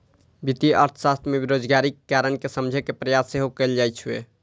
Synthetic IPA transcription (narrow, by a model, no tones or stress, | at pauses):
bit̪iʔə̰ɾt̪ʰsast̪ʰmebiɾod͡ʒɡaɾiːaɾənkesəmd͡ʒʱɛkepɾəjasːeɦokɛld͡ʒajt͡ʃʰuḛ